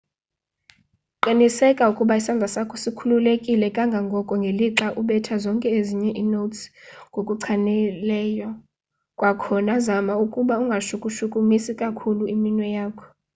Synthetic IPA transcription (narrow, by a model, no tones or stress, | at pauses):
ǃinisɛkʼaukʼuɓaisand͡zʱasakʰɔsikʰululekʼilɛkʼaŋɡʱaŋɡʱɔkʼɔŋɡʱeliǁaʔuɓɛtʰazɔŋkʼɛeziɲɛʔinotsŋɡʱokʼuǀʰanɛlɛːja | kʼwakʰɔnazamaukʼuɓauŋɡʱaʃukʼuʃukʼumisikʼakʰuluiminwɛjaːkʰɔ̥